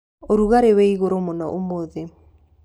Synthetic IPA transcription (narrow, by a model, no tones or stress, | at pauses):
oɾuɣaɾeweiɣoɾomonɔʔomoðe